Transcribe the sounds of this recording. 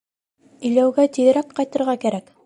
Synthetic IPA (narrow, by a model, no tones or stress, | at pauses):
ɵ̆jlæwɡæt̪iðɘ̆ɾækqɑjt̪ɤ̆ɾʁɑkæɾæk